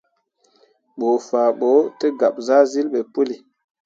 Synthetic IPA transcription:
ɓo˨faː˨ɓo˨˦te˦ɡa˨p̚za˦zi˦lɓe˨pu˦li˨

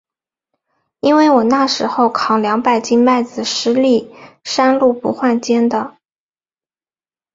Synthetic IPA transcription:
i˥nwe˥˩ɪwɔ˨˩na˥˩ʂɻ̩˧˥xo˥˧ʊkʰɑ˨˩ŋljɑ˧˥ŋpa˥˩ɪt͡ɕi˥nma˥˩ɪd͡zɹ̩˨˩ʂɻ̩˧˥li˥˩ʂa˥nlu˥˩pṵ˧˥xwa˥˩nt͡ɕjɛ˥nd̪ə˨

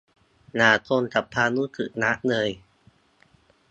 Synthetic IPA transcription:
naː˨˩t̪ʰoː˧nt̪ʰa˨˩pʰːaː˧nuː˦˥˦kʰɯ̰˨˩ʔna˦˥ʔnɤː˧j

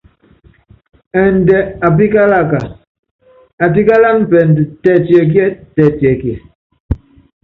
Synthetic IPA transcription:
ɛ˨ndɛ˨a˨p̬i˦ka˦la˦˨ka˨ | a˨p̬i˦ka˦la˦npɛ˨ndtɛ˨tjɛ˨k̬jɛ˦tɛ˨tjɛ˨kjɛ˨

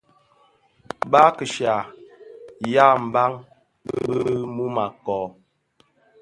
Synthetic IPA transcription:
ba˦kə˨ʃa˨ | ja˦m̩˨ba˦ŋ | bə˦bə˦mu˦ma˨kɔ˨

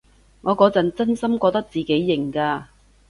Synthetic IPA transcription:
ŋɔː˨˧kɔː˨˧˥t͡sɐ˨nt͡sɐ˥nsɐ˥mkʷɔː˧k̚t̪ɐ˥k̚t͡siː˨ke˨˥jːɪ˨˩ŋkaː˧

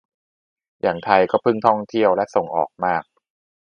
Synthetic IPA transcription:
jaː˨˩ŋt̪ʰa˧jkɔː˥˩pʰɯ˥˩ŋt̪ʰɔ˥˩ŋt̪ʰi˥˩əwlɛ˦˥ʔso˨˩ŋʔɔ̰ː˨˩k̚maː˥˩k̚

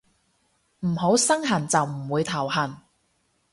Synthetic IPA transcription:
m̩˨˩ɦo˨˥wsɐ˥ŋɦɐ˨˩nt͡sɐ˨wm̩˨˩wuː˨˧jt̪ʰɐ˨˩wɦɐ˨˩n

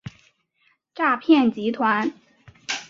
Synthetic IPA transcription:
ʈ͡ʂa˥˧pʰjɛ˥˩nt͡ɕi˧˥t̪ʰwa˧˥n

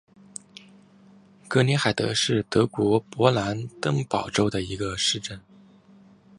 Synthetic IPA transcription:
kɤ˧˥ni˧˥xa˨˩ɪt̪ɤ̰˧˥ʂɻ̩˥˩t̪ɤ˧˥kwɔ˧˥pwɔ˧˥la˧˥nt̪ɤ˥ŋpɑ˨˩ʊʈ͡ʂo˥ʊd̪ə˨i˧˥ɡə˧ʂɻ̩˥˧ʈ͡ʂə˥˩n

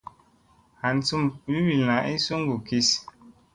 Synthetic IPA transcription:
a˨n˨˦t͡su˦mwi˦wi˨la˨ʔi˦su˦ŋ˦ɡu˨ki˦s

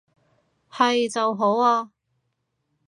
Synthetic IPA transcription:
hɐ˨jt͡sɐ˨wɦo˨˥waː˧

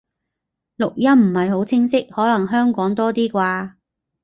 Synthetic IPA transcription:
lʊ˨k̚jɐ˥mm̩˨˩hɐ˨jɦo˨˥wt͡sʰɪ˥ŋsɪ˥k̚hɔː˨˥lɐ˨˩ŋɦœː˥ŋkɔː˨˥ŋt̪ɔː˥t̪iː˥kʷaː˧

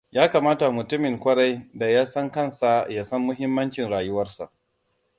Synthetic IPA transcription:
jaː˦kaː˨maː˦ta˨mʊ˨tʊ˦mɪ˨ŋkʷɐ˦ɽa˦jda˨jaː˦sɐ˦ŋkɐ˦˨nsa˨ja˨sɐ˦mːʊ˦ɦɪ˦mːɐ˦nt͡ʃɪ˨nɽaː˨jʊ˦wɐ˦rsa̰˨ʔ

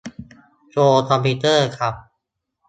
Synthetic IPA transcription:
t͡ɕoː˧t̪ʰɔː˧mpiː˧t̪ɤː˥˩kʰɾa˦˥p̚

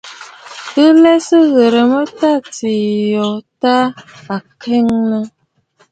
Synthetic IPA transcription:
ə˦lɛ˦sə˦ɣə˨ɾə˨mə˦ta˦ti˨jɔ˨ta˦a˨kʰɛ˦ŋnə˦

